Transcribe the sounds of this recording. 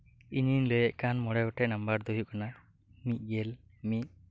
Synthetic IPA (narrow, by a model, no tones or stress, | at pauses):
ininlojɛʔkanmɔɽɛɡɔʈɛnambaɾd̪ujukana | mit̪̚ˀɡel | mit̪̚